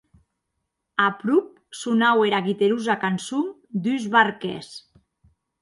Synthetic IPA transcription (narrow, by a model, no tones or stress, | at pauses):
apɾup̚ | sunaweɾaɣit̪eɾuzakansum | d̪yzβaɾkḛs